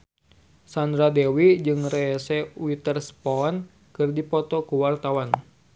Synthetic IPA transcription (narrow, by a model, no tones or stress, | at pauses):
sand̪ɾadɛwid͡ʒɨŋrɛːsɛwit̪ərspɔn | kɨrdipɔt̪ɔkuwart̪awan